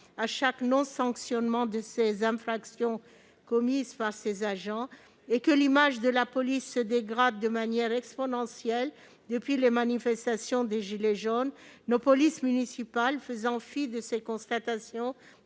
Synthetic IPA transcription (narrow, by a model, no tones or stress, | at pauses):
aʃaknɔ̃sɑ̃ksjɔnmɑ̃d̪əsezɛ̃fχaksjɔ̃ | kɔmizpaʁsezaʒɑ̃ | ekəlimaʒd̪əlapɔlisːəd̪eɡʁad̪̚ːəmanjɛʁɛkspɔnɑ̃sjɛl | d̪əpɥilemanifɛst̪asjɔ̃d̪eʒileʒonːopɔlismynisipalfəzɑ̃fɥid̪əsekɔ̃st̪at̪asjɔ̃